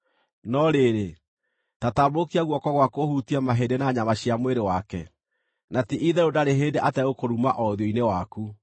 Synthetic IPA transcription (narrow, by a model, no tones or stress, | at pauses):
nɔɾeɾe | tatabokiaɣwɔkɔɣwakohutiamaɦedenaɲamaɕiamweɾewakɛ | natiʔiðɛɾodaɾeɦeːdeʔatɛɣokoɾumaʔɔðjoinewaku